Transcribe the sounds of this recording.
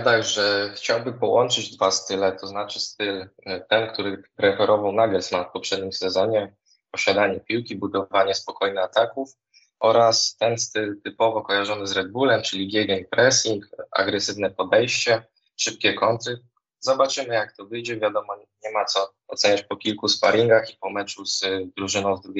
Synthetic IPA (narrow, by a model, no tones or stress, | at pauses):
t̪aɡʐɛxt͡ɕawbɘmpɔwɔnt͡ʂɘd͡ʑd̪vast̪ɘlɛt̪ʰɔznat͡ʂɘ̥st̪ɘlt̪ɛnkt̪uɾɘpɾɛfɛɾɔvawnaɡɛlsmafpɔpʂɛd̪ɲimsɛzɔɲɛ | pɔɕad̪aɲɛpʲiwkʲibud̪ɔvaɲɛspɔkɔjnɛat̪akuf | ʔɔɾast̪ɛnst̪ɘlt̪ɘpɔvɔkɔjaʐɔnɘzɾɛd̪̚bulɛmt͡ʂɘlʲiɡʲjɛɡʲɛɲpɾɛsʲiŋka̰ɡɾɛsɘvn̪ɛpɔd̪ɛjɕt͡ɕɛ | ʂɘp̚kʲɛkɔnt̪ɘ | zɔbat͡ʂɘmɘjakt̪ɔvɘjd͡ʑɛvʲjad̪ɔmɔɲɛmat̪sɔ | ɔt̪sɛɲat͡ɕpɔkʲilkuspa̰ɾʲiŋɡaxipɔmɛt͡ʂuz̥d̪ɾuʐɘnɔ̃w̃zd̪ɾuɡʲ